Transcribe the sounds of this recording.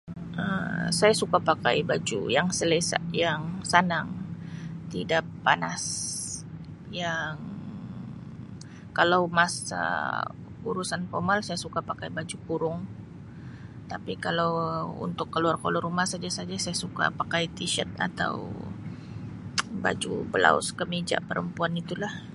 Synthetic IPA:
əmsajasukapaka̰ibad͡ʒṵjaŋsəlesa̰jaŋsanaŋ | t̪idapːanas | jaŋ | kalawmasa̰ | uɾusanfo̰rmalsajasukapakajbad͡ʒupuɾʊŋ | t̪apikalawṵnt̪ʊkːəluarko̰lʊɾumahsad͡ʒasad͡ʒasajasuka̰pakajt̪iʃət̪̚a̰t̪a̰w | ba̰d͡ʒṵbəla̰ʊ̰skəmid͡ʒa̰ʔpəɾəmpuanit̪ulah

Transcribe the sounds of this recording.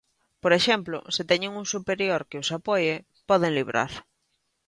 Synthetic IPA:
poɾeʃɛmplʊ̰sɪt̪ɛɲɪŋuŋsupeɾjoɾkɪʊsapɔje | pɔð̞eŋliβɾʔa̰ɾ

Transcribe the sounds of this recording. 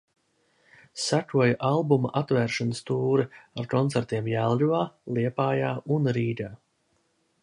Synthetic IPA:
sækuɔjaʔalˠbumaʔat̪væːɾʃɔnəst̪uːɾiaɾkɔnt̪sæɾt̪iɛmjælˠlʲuvaːlˠiɛpaːjaːunɾiːd̪ʲaː

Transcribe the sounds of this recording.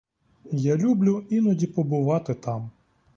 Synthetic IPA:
jalʲublʲʊinɔdʲipɔbʊʋɑt̪ɪt̪ɑm

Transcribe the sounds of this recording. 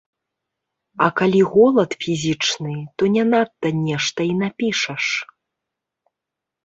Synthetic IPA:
ɐkalʲiɣɔlˠɐt̪fʲizʲit͡ʂnɨt̪ɔnʲanat̪ːɐnʲɛʂt̪ɐinapʲiʂɐʂ

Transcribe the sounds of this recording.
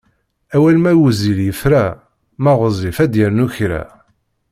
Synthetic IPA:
æwælmæwuziljəfɾæ | mæʁəzˤifæd̪jəɾnuçɾæ̰

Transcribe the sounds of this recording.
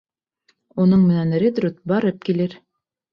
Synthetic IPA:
unɤɴmɘ̆nænrʲed̪rʲut̪̚bɑɾɤp̚kilɘɾ

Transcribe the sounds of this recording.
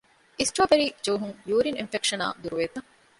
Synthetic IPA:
isʈɾoːbeɾiːd͡ʒoːɦuŋjuːɾininfekʂɐna̰ːd̪uɾuʋeːt̪ɐŋ

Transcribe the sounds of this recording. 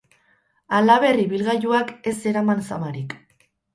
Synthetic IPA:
alaβe̞riβilɣaʝuake̞se̞ɾamansamaɾik

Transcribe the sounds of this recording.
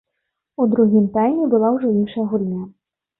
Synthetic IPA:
ud̪ɾuɦʲimt̪ajnʲibʊlˠawʐɛinʃɐjɐɦulʲnʲa

